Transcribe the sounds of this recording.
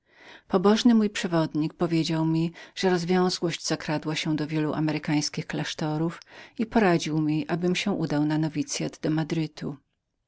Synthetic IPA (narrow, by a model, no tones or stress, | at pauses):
pɔbɔʐnɘmujpʂɛvɔd̪ɲik̚pɔvʲjed͡ʑawmʲiʐ̥ɛɾɔzvʲjɔ̃w̃zwɔɕd͡ʑz̥akɾad̪waɕɛ̃w̃d̪ɔvʲjɛluʔa̰mɛɾɘkaj̃skʲixklaʂt̪ɔɾufipɔɾad͡ʑiwmʲiʔabɘmɕɛ̃ʔud̪awnanɔvʲit̪sʲjad̪d̪ɔmad̪ɾɘt̪ʰu